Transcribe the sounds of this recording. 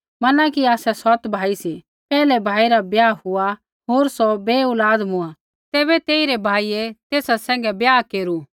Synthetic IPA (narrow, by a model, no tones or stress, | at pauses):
mɐnakiaːsɛsɐt̪bʱaːisi | pɛːlɛbʱaːiɾabjaːhʊa | ɦoːɾsɔbeːʊlaːd̪mʊ̃a | t̪ɛːβɛt̪eːiɾebʱaːiet̪eːsasɛ̃ːŋɡɛbjaːkeːɾu